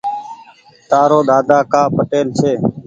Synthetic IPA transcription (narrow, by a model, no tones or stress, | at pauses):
t̪aːɾoːɗ̪aːd̪aːkaːpəʈeːlsʰeː